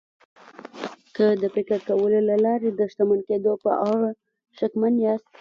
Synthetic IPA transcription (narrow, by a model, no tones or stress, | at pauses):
kəd̪əpekaɾkawəlolalɑɾed̪əʃt̪amanked̪opə̰ʔaɣa | ʃakmanjɑst̪